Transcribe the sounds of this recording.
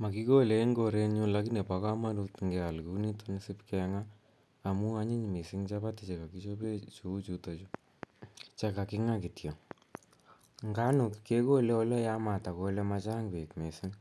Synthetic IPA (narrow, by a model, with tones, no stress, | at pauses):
ma˨ki˦ko˦le˦ŋɡo˨ɾe˧ɲu˦la˦ki˦ne˨pa˨ka˦ma˦ɾu˧tŋɡɛ˨a˨lku˦ni˦to˦nsɪ˦pkɛŋaː˦˨ | mu˦a˦ɲɪ˦ɲmi˨sɪ˦ŋt͡ʃa˦pa˦tɪ˨t͡ʃe˨ka˨ki˦t͡ʃo˦pe˦t͡ʃo˧u˦t͡ʃuto˨t͡ʃo˦ | t͡ʃa˧ka˨kɪ˦ŋa˦ki˨tjo˨ | ŋɡa˦nʊ˨kke˦ko˦lɛ˦ɔ˦lɔ˦ja˦ma˨ta˨ko˧lɛ˦ma˧t͡ʃa˦ŋɡwe˨kme˨sɪ˦ŋ